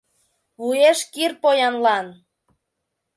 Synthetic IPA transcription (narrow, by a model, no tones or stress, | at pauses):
βujeʃkirpojɑnlɑn